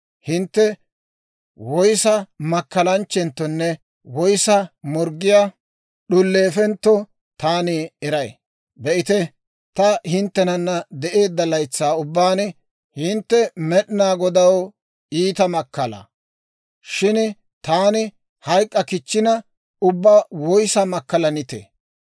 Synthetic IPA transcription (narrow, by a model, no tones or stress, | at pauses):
hɪnt̪ːɛ | wɔjsɐmɐkːɐlɐnt͡ʃːɛnt̪ːɔnːɛ | wɔjsɐmɔɾɡɪjaː | ɗʊlːeːfɛnt̪ːɔ | t̪aːniɛɾɐj̰ | bɛʔɪt̪ɛ | t̪ɐhɪnt̪ːɛnɐnːɐd̪ɛʔe̞ːd̪ːɐlɐjt͡sːaːʊbːaːn | hɪnt̪ːɛmɛɗɪnaːɡɔd̪ɐw | iːt̪ɐmɐkːɐlɐ̰ | ʃɪn | t̪aːnɪ | hɐjkʼːɐkɪt͡ʃːɪnɐ | ʊbːaːwɔjsɐmɐkːɐlɐnɪt̪ɛ̰